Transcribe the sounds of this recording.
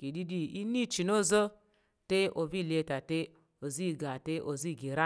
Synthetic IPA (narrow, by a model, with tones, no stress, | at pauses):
ki˨di˦di˦i˦ni˦˨t͡ʃi˨no˦zo˦ | te˦ʔo˨vi˦˨li˨e˦ta˨te˦ | o˨zi˦˨ɡa˨te˦ʔo˨zi˦˨ɡi˨ɾa˦